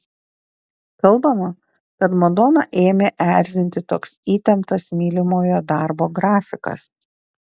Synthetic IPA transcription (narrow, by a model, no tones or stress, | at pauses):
kɐlˠˑbɐmɐ | kɐt̪mɔd̪ɔnɐʔeːmʲeːʔæˑɾʲzʲɪnʲt̪ʲɪt̪oːksiːt̪ʲɛmt̪ɐsmʲiːlʲɪmoːjoːd̪ɑˑɾboːɡɾɑːfʲɪkɐ̰s